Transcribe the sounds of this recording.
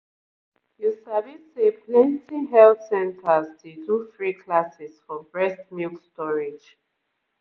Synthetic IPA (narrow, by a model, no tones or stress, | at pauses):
jusavisepʰlɛ̃ntʰiɦɛltsɛ̃ntʰastʰudufɹikʰlasɛsfɔbɹɛstmukstɔɹed͡ʒ